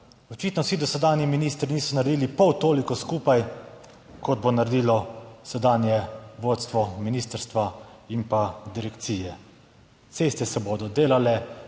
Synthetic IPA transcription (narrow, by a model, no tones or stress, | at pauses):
ɔt͡ʃiːt̪nɔwsid̪ɔsɛd̪aːnjiminiːst̪ɾiniːsɔnaɾed̪iːlipɔwt̪oːlikɔskuːpaj | kɔd̪̚bonaɾed̪iːlɔsɛd̪aːnjɛʋoːt̪st̪ʋɔminiːst̪əɾst̪ʋaimpad̪iɾɛkt̪siːjɛ | t̪seːst̪ɛsɛbod̪ɔd̪eːlalɛ